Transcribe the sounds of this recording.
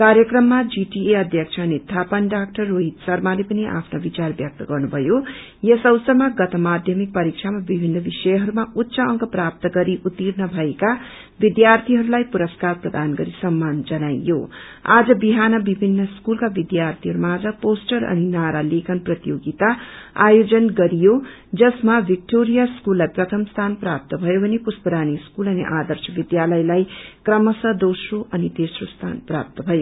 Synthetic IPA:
kaɾjʌkrʌmːad͡ziʈieʌd̪ʱjʌk̚t͡ʃʰʌːnit̪ʰapʌnɖak̚ʈʌrːoɦit̪sʌrmalepʌniʔa̰pʰnobit͡sarbjʌk̚t̪ʌɡʌrnubʱʌjo | jʌsʌwsʌmaɡʌt̪ʌmad̪ʱjʌmik̚pʌɾik̚t͡ʃʰamabibʱinːʌbisʌjɦʌɾumaut̪ːsaʌŋɡʌprap̚t̪ʌɡʌɾiʔut̪ːirnʌbʱʌeka | bid̪jart̪ʰiɦʌɾulajpuɾʌskarprʌd̪ʱanɡʌɾisʌmːand͡zʌnajːo̰ | a̰d͡zʌbiɦanʌbibʱinːʌskulkabid̪jart̪ʰiɦʌɾumaad͡zʌposʈʌɾʌ̰ninaɾalekʰʌnprʌt̪joɡit̪aa̰jod͡zʌnɡʌɾijo | d͡zʌsmabik̚ʈoɾijaskulːajprʌt̪ʰʌmst̪ʰanprap̚t̪ʌbʱʌjobʱʌnepuspʌɾaniskulʌnḭʔad̪ʌrsʌbid̪jalʌjlajkrʌmʌsʌd̪owsroʔʌnid̪esrost̪ʰa̰npra̰p̚t̪ʌbʱʌjo

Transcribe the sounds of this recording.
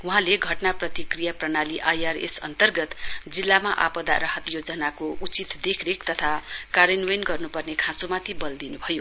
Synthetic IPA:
uɦãleɡʱʌʈnaprʌt̪ikrijaprʌnaliʔajarḛsʌ̰nt̪ʌrɡʌt̪d͡zilːamaʔa̰pʌd̪a̰ɾʌɦʌt̪jod͡zʌnakout͡sit̪d̪ekʰɾekt̪ʌt̪ʰakaɾenwenɡʌrnupʌrnekʰãsomat̪ʰibʌld̪inubʱʌjo

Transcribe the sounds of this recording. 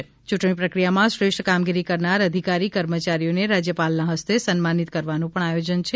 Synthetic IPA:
t͡ʃuʈɳ̃ipɾəkɾijamãʃɾeʃʈʰkamɡiɾikəɾnaɾəd̪ʱikaɾikəɾmət͡ʃaɾijoneɾad͡ʒjəpalnaɦəst̪esənmanit̪kəɾʋanũpəɳajod͡ʒənt͡ʃʰe

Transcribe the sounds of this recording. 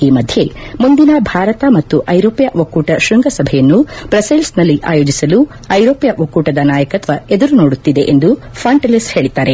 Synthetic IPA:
iːmɐd̪ʱje̞mund̪inɐbʱaːɾɐt̪ɐmɐt̪ːuʔɐjɾoːpjɐʔʋɐkuːʈɐʃɾiŋɡɐsɐbʱɛjɐnːub̥ɾɐselsnɐlːiʔa̰ːjoːd͡ʒisɐlu | ɐjɾoːpijɐʔʋɐkuːʈɐd̪ɐnaːjɐkɐt̪ʋɐed̪ɐɾuno̞ːɽut̪ːid̪e̞ʔend̪u | fʰaːɳʈɐlishe̞ːɭit̪ːaːɾe̞

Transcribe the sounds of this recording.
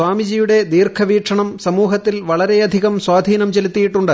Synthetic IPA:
waːmid͡ʑijuɽe̞d̪iːrkʰɐʋiːʈʂʰɐɳɐmsɐmuːɦɐt̪ːilʋɐɭɐɾe̞ɐd̪ʱiɣɐmswaːd̪ʱiːnɐmt͡ɕelit̪ːijiʈːuɳɖɨ

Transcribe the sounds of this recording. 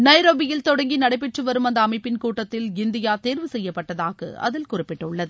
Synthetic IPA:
nɐɪɾoːbɪjɪlt̪ɔɽɐŋɡinɐɽɐɪpːɛʈrɯʋɐɾɯmɐnd̪ɐːmɐɪpːɪnkuːʈːɐt̪ːɪlɪnd̪ɪjaːt̪eːɾʋɯsɛjːɐpːɐʈːɐðaːɣɐ̰ɐ̰ðɪlkʊrɪpːɪʈːɐʊɭːɐðɯ

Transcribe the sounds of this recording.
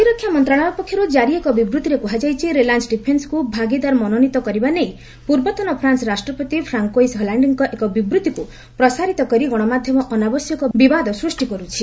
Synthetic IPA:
iɾɔkʰːjamɔnt̪ɾaɭ̃aɔpɔkʰːjɔɾud͡ʒaɾiekɔbibɾut̪iɾekuɦad͡ʒajt͡ʃʰiɾelansɖipʰensɔ̥kubʱaɡid̪aɾmɔnɔnit̪ɔkɔɾibanej | puɾbɔt̪ɔnɔpʰɾansɔɾasʈɾɔpɔt̪ipʰɾaŋkojsɦɔlaɳɖiŋkɔʔekɔbibɾut̪iku | pɾɔsaɾit̪ɔkɔɾiɡɔɽ̃ɔmad̪ʱjɔmɔʔɔnabɔsjɔkɔbibad̪ɔsɾusʈikɔɾut͡ʃʰi

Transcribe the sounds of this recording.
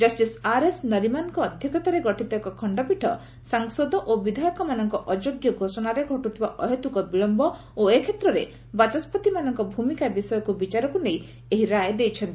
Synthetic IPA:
d͡ʒɔsʈisaɾesnɔɾimankɔːd̪ʱjɔkɔt̪aɾeɡɔʈʰit̪akɔkʰɔɳɖɔpiʈʰɔ | saŋsɔd̪ɔʔobid̪ʱajɔkɔmanɔŋkɔʔɔd͡ʒoɡjɔɡʱosɔnaɾeɡʱɔʈut̪ʰibaʔɔɦet̪ukɔbiɭɔmbɔ | oekʰet̪ɾɔɾe | bat͡ʃɔspɔt̪imanɔŋkɔbʱumikabisɔjɔkubit͡ʃaɾɔkunej | eɦiɾajd̪ejt͡ʃʰɔnt̪i

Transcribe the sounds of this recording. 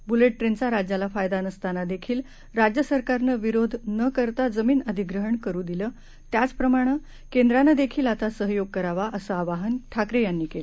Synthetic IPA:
buleʈʈɾent͡saɾad͡ʑjalafajd̪anəst̪anad̪ekʰiːl | ɾad͡ʑjəsəɾkaɾnəʋiɾod̪ʱnəkəɾt̪ad͡zəmiːnəd̪ʱiɡɾəɦəɳkəɾuːd̪iləː | t̪jat͡spɾəmaɽ̃ə | kẽnd̪ɾanəd̪ekʰiːlat̪asəɦjoɡ̚kəɾaʋaʔəsəaʋaɦənʈʰakɾejanːiːkele

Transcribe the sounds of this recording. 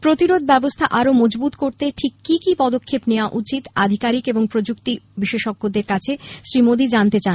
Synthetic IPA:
pɾot̪iɾod̪̚ʱbɛbost̪ʰaʔaɾomɔd͡ʑbut̪koɾt̪eʈʰikːikipɔd̪okʰːepneoaʔut͡ɕit̪ad̪ʱikaɾikeboŋpɾod͡ʑukt̪ibiʃeʃoɡːod̪eɾkat͡ɕʰeʃɾimod̪id͡ʑant̪et͡ɕan

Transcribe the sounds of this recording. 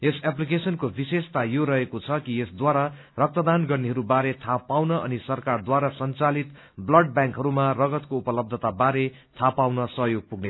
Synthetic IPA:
esaplikesʌnkobisest̪ajoɾʌɦekot͡sʰʌkiesd̪waɾa | rʌk̚t̪ʌd̪anɡʌrneɦʌɾubaɾet̪ʰapawnʌʔʌnisʌrkard̪waɾasʌnt͡salit̪ | blʌɖ̚bjãŋkɦʌɾumarʌɡʌt̪koupʌlʌb̚d̪ʱʌt̪abaɾe | t̪ʰapawnʌsʌɦjoɡ̚puɡne

